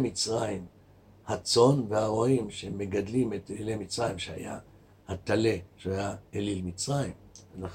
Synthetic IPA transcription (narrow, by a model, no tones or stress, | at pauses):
mit͡sʁaim | hat͡so̞nvehaʁoimʃeemːe̞ɡadlimet̪elilemit͡sʁajimʃea̰ja̰ | hat̪ale̞ʃeajaelilmit͡sʁaimvela